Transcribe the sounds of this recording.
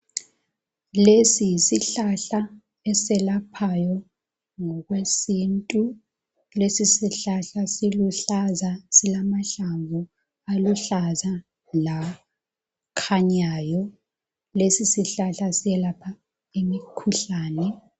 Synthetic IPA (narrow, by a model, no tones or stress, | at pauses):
lesijisiɬaɬa | ɛsɛlapʰajɔ | ŋɔɣwesintʼu | lesisiɬaɬasiluɬazasilamaɬaɱvu | aluɬaza | la | kʰaɲaːjɔ | lesisiɬaɬasiɛlapʰa | imikʰuɬaːnɛ